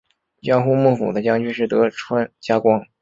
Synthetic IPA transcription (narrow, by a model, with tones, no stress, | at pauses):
t͡ɕjɑ˥ŋxu˥mu˥˩fṵ˨˩d̪ə˦t͡ɕjɑ˥ŋt͡ɕy˥ʂɻ̩˥˩t̪ɤ˧˥ʈ͡ʂʰwa˥nt͡ɕja˥kwɑ˥ŋ